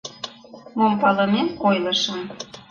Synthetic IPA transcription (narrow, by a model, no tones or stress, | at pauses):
mompɑləmemojləʃəm